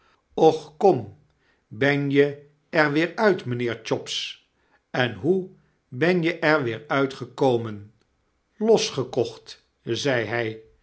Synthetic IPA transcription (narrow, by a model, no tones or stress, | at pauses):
ɔχkɔm | bɛnjə | ɛɹʋɪːɹœɥtmənɪːɹt͡ʃɔps | ɛnɦu | bɛnjəʔɛɹʋɪːɹœɥtχəkowmən | lɔsχəkɔχt | zɛjɦɛj